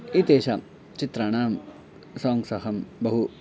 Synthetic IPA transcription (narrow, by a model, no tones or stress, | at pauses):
it̪eːʃɐ | t͡ʃit̪ɾɐɳaːm | sɔːŋɡsɐɦɐmbɐɦu